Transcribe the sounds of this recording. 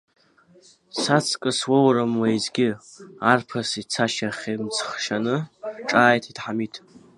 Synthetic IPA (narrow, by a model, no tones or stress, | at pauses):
sat͡sʰkʼɨswowrɨmwajzɡʲɪ | arpʰasit͡sʰaʃaχʲemt͡sʰχʃanɨʈ͡ʂʼaːjtʰidħamitʰ